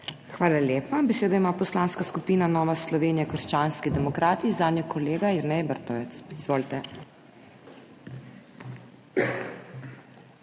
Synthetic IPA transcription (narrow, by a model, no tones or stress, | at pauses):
xʋaːlalʲjeːpabɛseːd̪aimapɔslaːnskaskupiːnanɔːʋaslɔʋeːnijɛkəɾʃt͡ʃaːnskid̪ɛmɔkɾaːt̪izaːnjɔkʰɔleːɡaɛɾnɛjɛbəɾt̪ɔʋɛt̪sizʋoːlt̪ɛ